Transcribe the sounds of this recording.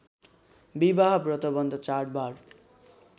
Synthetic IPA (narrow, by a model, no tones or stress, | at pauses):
bibaɦbrʌt̪ʌbʌnd̪ʱʌt͡saʈ̚bar